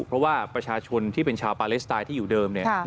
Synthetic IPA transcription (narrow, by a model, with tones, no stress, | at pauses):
pʰɾɔ˦˥waː˥˩pɾa˧t͡ɕʰaː˧t͡ɕʰo˧nt̪ʰiː˥˩pe˧nt͡ɕʰaː˧wpaː˧li˦˥s̚t̪aː˧t̪ʰiː˥˩juː˨˩dɤː˧mni˥˩ɐ